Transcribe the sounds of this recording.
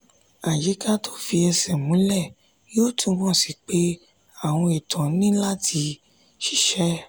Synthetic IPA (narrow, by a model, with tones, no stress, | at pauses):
a˨d͡ʒi˨˦ka˦tʰo˦fi˧ɛ˧sɛ˨mũ˨˦lɛ˦˨ | jo˦˨tʰũ˦˧˦mɔ̃˦˨si˨k͡pe˨˦ | a˦˨w̃ɔ̃˧i˨tʰɔ̃˨˦nĩ˦la˦˨tʰi˧˦ | ʃi̥˦˨ʃɛ˦